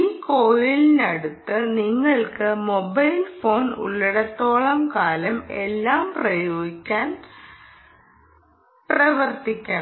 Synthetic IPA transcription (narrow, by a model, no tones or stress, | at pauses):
iːkoːjilnɐɽut̪ːɨniŋːɐɭkɨmo̞bɐjlfo̞ːnṵɭːiɽɐt̪ːo̞ːɭɐmkaːlɐme̞lːaːmprɐjoːɡikʲːaːn | prɐʋɐrt̪ikʲːɐɳɐ